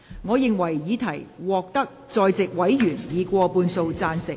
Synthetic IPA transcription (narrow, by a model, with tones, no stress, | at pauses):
ŋɔː˨˧jɪ˨ŋwɐ˨˩jjiː˨˧t̪ʰɐ˨˩jwɔː˨˩k̚t̪ɐ˥k̚t͡sɔː˧jt͡sɪ˨k̚wɐ˨˥jjyː˨˩njiː˨˧kʷɔː˧puː˧nso˧wt͡saː˧nsɪ˨